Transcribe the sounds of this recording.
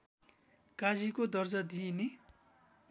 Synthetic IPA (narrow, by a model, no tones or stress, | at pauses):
kad͡zikod̪ʌrd͡zʌd̪ine